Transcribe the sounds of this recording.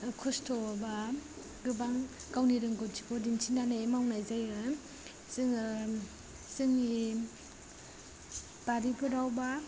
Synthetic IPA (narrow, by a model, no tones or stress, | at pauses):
kʰɔstʰɔba | ɡɯbaŋɡawniɾɯŋɡɔpd͡ʒikɔdinsʰinanaemawnajzajɯ | zɯŋ | zɯŋi | b̥aɾipʰɯɾawba